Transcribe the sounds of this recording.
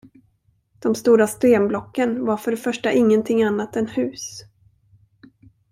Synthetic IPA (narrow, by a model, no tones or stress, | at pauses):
d̪̥ɔmst̪uːɾast̪eːmblɔkːənvaɾfœɖɛfœʂʈaʔɪŋːənt̪ʰɪŋːanːat̪ɛnhʉ̟ːs